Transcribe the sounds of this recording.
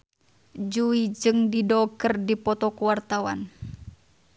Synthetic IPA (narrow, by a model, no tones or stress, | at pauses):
d͡ʒuid͡ʒɨŋdidɔkərdipɔt̪ɔkuwart̪awa̰n